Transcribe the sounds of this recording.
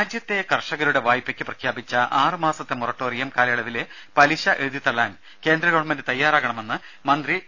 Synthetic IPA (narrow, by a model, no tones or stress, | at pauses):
aːd͡ʑjɐt̪ːe̞kɐrʂɐɣɐɾuɽe̞ʋaːjipːekʲːɨprɐkʰjaːbit͡ɕːɐʔaːrɨmaːsɐt̪ːemurɐʈːoːrijɐmkaːlɐɭɐʋile | pɐliɕɐʔeðit̪ːɐɭːaːn | ke̞ːnd̪ɾɐɣɐɭɐmɐndɨt̪ɐjːaːɾaːɣɐɳɐme̞nːɨ | mɐnd̪ri